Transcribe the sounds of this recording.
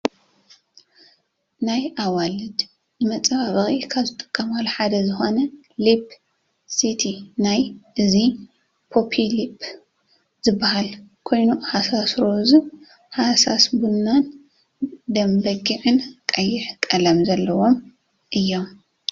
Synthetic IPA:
najʔawalɨd̪ | zɨmɐt͡sʼɐβaβɐxikʰaβzɨt̪ʼɨ̥kʼːɐmalħad̪ɐzɨxo̞nɐ | lip | sit̪ʰinajʔɨzi | pʰo̞pʰilipʰ | zɨbːahal | kʰo̞jnuhasasɾozɨ | hasasbunːan | d̪ɐmbɐɡiʕɨnkʼɐjːɪħkʼɐlɐmzɐlːɐwo̞m | ʔɨjːo̞m

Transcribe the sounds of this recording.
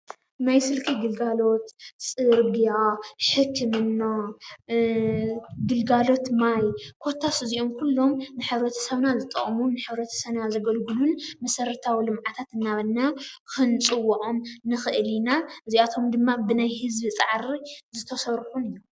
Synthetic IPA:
najsɨlkʰiɡɨlɡalo̞t̪sʼɨɾbijaħɨkʰːɨmɨnːo | ɡɨlɡalo̞t̪majkʰo̞t̪ʰːasɨziʔo̞mkʰulːo̞mnɨħɨβɾɐt̪ʰɐ̥sɐβnazɨt̪ʼɐ̰χʼmunɨħɨβɾɐt̪ʰɐ̥sɐβnazɐɡɐlɡɨlunmɐsɐɾɐt̪ʰawilɨmʕat̪ʰat̪ɨnːaβɐnːakʰɨnt͡sʼɨwːʔomnɨxɨʔlinaʔɨziat̪ʰo̞md̪ɨmːabɨnajhɨzbit͡sʼaʕɾizɨt̪ʰɐsɐɾħunɨjːu

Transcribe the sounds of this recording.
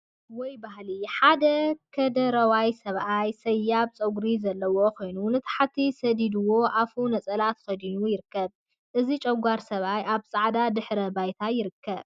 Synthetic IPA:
wɔjbaɦliħad̪ɐkʰɐd̪ɐɾɐwajsɐβʔajsɐjːaβt͡sʼɐɡɾizɐlːɐwo̞kʰo̞jnunɨt̪ʰḁħat̪ʰisɐd̪id̪ɨwo̞ʔafunɐt͡sʼɐlat̪kɐd̪inujɪɾɨkːɐb | ʔɨzit͡ʃʼɐɡʷaɾsɐβajʔaβsʼaʕd̪ad̪ɨħɾɐbajt̪ʰajɪɾɨkʰːɐβ

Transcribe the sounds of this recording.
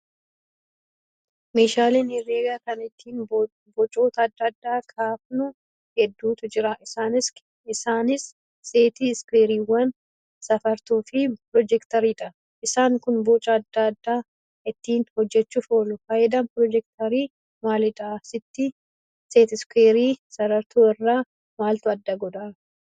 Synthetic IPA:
meːʃaːleːnɪrːeːɡaːkɐnɪt̪ʰːiːn | bɔt͡ʃʼoːt̪ɐːd̪ːɐɐd̪ːaːkʰʼaːfnʊ | hɛd̪ːuːt̪ʊd͡ʒɪɾɐʔɪsaːnɪs | ɪsaːnɪsː | eːt̪iskweːɾiːwɐn | sɐfɐɾt̪uːfɪpɾɔd͡ʒɛkt̪ɐɾiːᶑɐ | ʔɪsaːŋkʊnbot͡ʃʼɐːd̪ːɐɐd̪ːaː | ɪt̪ːiːnhɔd͡ʒːɛt͡ʃːʊfoːlʊfɐʔɛd̪ɐmpɾɔd͡ʒɛkt̪ɐɾiː | maːlɪᶑ̪aːsɪt̪ːɪ | seːt̪ɪskeːɾiːsɐɾɐɾt̪ʰoːɪrːaː | maːlt̪ʊɐd̪ːɐɡɔd̪aː

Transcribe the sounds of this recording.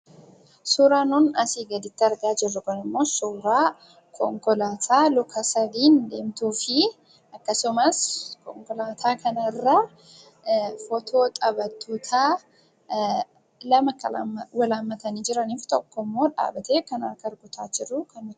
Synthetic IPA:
suːɾaːnuːnɐsiːɡɐd̪ɪt̪ːɪɐɾɡaːd͡ʒɪrːʊkɔnɪmːo̞ːsuːɾaː | kʰɔŋkɔlaːt̪ʰaːlʊkʰɐsɐd̪iːnd̪e̞ːmt̪uːfɪ | ʔɐkːɐsʊmɐskɔŋkɔlaːt̪ʰaːkɐnɐɪrːa | fɔt̪ʰo̞ːt̪ʼɐbɐt̪ːuːt̪ʰaː | lɐmɐkːɐwɐlaːmːɐt̪ɐniːd͡ʒɪɾɐniːft̪ɔkːɔmːo̞ːᶑa̰ːbɐt̪eːkɐna̰ːkɐɾɡʊt̪ʰaːt͡ʃːɪrːʊkɐn

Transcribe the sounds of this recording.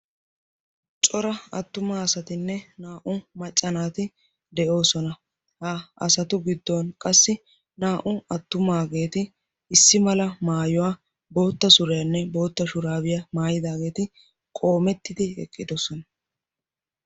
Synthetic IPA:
t͡ʃʼɔɾɐɐ̰t̪ːʊmaːɐsɐt̪ɪnːɛnaːʔʊmɐt͡ʃʼːɐnaːt̪ɪ | d̪ɛʔo̞ːsɔnɐ | haɐ̰sɐt̪ʊɡɪd̪ːoːnkʼɐsːɪ | naːʔʊɐt̪ːʊmaːɡe̞ːt̪ɪ | ɪsːɪmɐlɐmaːjɔwaː | bo̞ːt̪ːɐsʊɾɛjɐnːɛbo̞ːt̪ːɐʃʊɾaːbɪjɐmaːjɪd̪aːɡe̞ːt̪ɪ | kʼo̞ːmɛt̪ːɪd̪ɪɛ̰kʼːɪd̪ɔsɔnɐ

